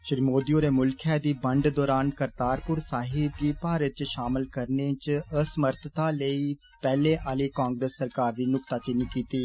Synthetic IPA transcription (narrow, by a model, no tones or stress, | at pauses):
ʃɪɾimoːd̪ijõːɾeːmʊlkʰɛːd̪iːbəɳɖd̪ɔːɾaːnkəɾt̪aːɾpʊɾsaːɦɪb̚ɡiːpaːɾət̪t͡ʃʃaːmɪlkəɾneːt͡ʃəsəməɾt̪ʰt̪aːləiː | pɛːleːʔaːleːkãːŋɡɾesːəɾkaːɾd̪iːnʊkt̪aːt͡ʃɪniːkiːt̪iː